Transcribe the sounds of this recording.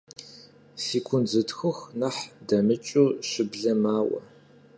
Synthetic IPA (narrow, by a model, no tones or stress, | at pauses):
siːkʷʰʊnzɨtxɨxnɐħdɐmɨt͡ʃʼuːɕɪbɮɐmaːwɐ̰